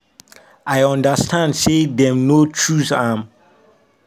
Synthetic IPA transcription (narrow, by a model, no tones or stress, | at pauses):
ajɔ̃ndəstʰãndsedɛ̃mnotʰɹuθam